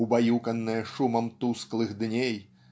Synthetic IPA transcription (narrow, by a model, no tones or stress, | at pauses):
ubajukɐnːɨjɐʂumɐmt̪usklˠɨɣd̪nʲej